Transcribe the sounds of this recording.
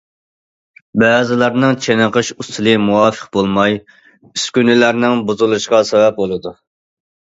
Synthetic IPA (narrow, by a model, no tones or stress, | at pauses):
bɛːzɪlˠɑɾnɨŋt͡ʃʰenəqəʃust̪ʰɨlˠɨmuwɑːfə̥qbolˠmɑj | yskʲynɪlæɾnɪŋbuzulˠuʃqɑsɛvɛp̚bolˠɨd̪u